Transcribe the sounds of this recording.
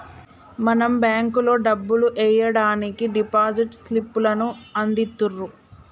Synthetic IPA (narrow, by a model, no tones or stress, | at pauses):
mɐnɐmbjaːŋkulo̞ːɖɐbːuluʔɛjɐɽaːnikiɖipaːd͡ʒiʈslipːulɐnuɐnd̪it̪ːurːu